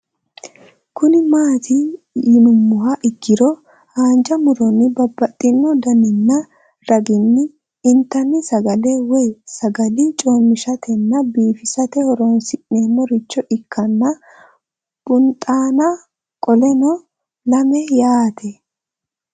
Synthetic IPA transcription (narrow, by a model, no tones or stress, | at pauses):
kʊnɪmaːt̪ʰɪ | jɪnʊmːʊɦɐʔɪɡːɪɾɔ | haːnd͡ʒɐmʊɾɔnːɪbɐbːɐt̪ʼːɪnːɔd̪ɐnɪnːɐ | ɾɐɡɪnːɪː | nt̪ːɐnːɪsɐɡɐlɛwɛjsɐɡɐlɪt͡ʃʼoːmːɪʃɐt̪ʰɛnːɐbiːfɪsɐt̪ɛhɔɾɔnsɪʔneːmɔɾɪt͡ʃːɔʔɪkʰːɐnːɐ | b̥ʊnt̪ʼaːnɐ | kʼɔlɛnɔ | lɐmɛjaːt̪ʰɛ